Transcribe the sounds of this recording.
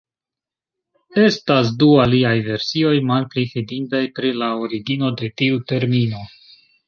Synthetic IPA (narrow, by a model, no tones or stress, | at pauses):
e̞stas̬dualiajve̞ɾsio̞jmalplifidindajpɾilaoɾiɡino̞de̞tiute̞ɾmino̞